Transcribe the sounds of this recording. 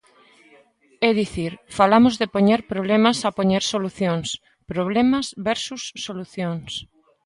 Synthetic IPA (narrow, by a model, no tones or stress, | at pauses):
ɛðiθiɾfalamʊzðepoɲeɾpɾoβ̞lemɐsapoɲeɾsoluθjoŋs | pɾoβlɛmɐzβɛɾsusːoluθjoŋs